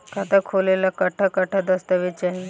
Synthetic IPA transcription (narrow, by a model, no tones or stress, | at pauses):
kat̪akʰolelakəʈʰakəʈʰad̪əst̪əʋet͡ɕaɦi